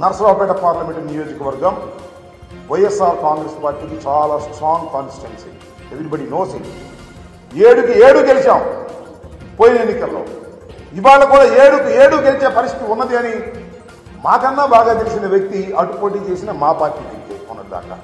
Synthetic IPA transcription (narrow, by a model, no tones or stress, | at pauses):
nɐɾɐsɐɾaːpɛːʈɐpaːɾlɐme̞ɳʈnijo̞ːd͡ʒikɐʋɐɾɡɐm | ʋɐjːesːaːɾkaːŋɡɾespaːɾʈːiːkit͡ʃaːlaːsʈɾaːŋɡkaːnsi̥ʈensi | eʋiɾibɐɽinoːsḭ | eːɽukieːɽukelit͡ʃaːm | poːjinɐenːikɐlːo̰ː | iʋaːɭːɐkuːɽaːeːɽukieːɽuːkelit͡ʃeːpɐɾist̪i̥t̪iunːɐd̪iɐni | maːkɐnːaːbaːɡaːt̪elisinɐʋjɐk̚t̪iɐʈupoːʈiːt͡ʃe̞ːsinɐmaːpaːɾʈiːkit̪eːunːɐɽid̪a̰ːka̰ː